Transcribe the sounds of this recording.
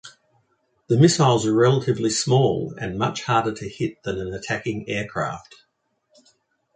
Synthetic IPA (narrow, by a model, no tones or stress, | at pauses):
ðəmɪsaɪlˠzə˞ɹɛlˠəɾɨvlismɔːlˠə̰̃nmʌ̰t͡ʃhɑɹɾəɾʰɨhɪt̪̚ðə̃nə̃nətʰækɪ̃ŋɛɹkʰɹ̥æ̰ˑft